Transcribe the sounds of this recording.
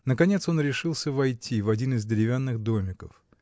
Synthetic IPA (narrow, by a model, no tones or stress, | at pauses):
nəkɐnʲet̪so̞nɾʲɪʂɨlˠsʲəvɐjtʲivɐdʲinɨzdʲɪɾʲɪvʲanːɨɣd̪omʲɪkəf